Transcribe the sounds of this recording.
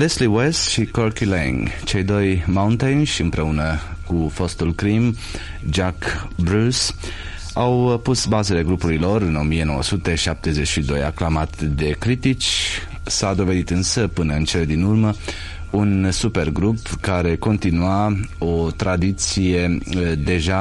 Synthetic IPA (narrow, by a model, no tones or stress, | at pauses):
lesliwest̪ʃikorkilḛŋt͡ʃe̞jd̪o̞jmawnt̪enʃɨmpɾe̞unə | kufo̞st̪ulkɾim | d͡ʒakbɾus | awpusbaze̞le̞ɡɾupuɾilo̞rɨno̞mije̞no̞wə̰sut̪e̞ʃap̚t̪e̞ze̞t͡ʃid̪o̞ja̰klamat̪d̪e̞kɾit̪it͡ʃʲ | sad̪o̞ve̞d̪it̪ɨnsəpɨnəɨnt͡ʃe̞led̪inurmə | unsupe̞rɡɾupkaɾe̞ko̞nt̪inuao̞t̪ɾad̪it̪sije̞d̪e̞ʒa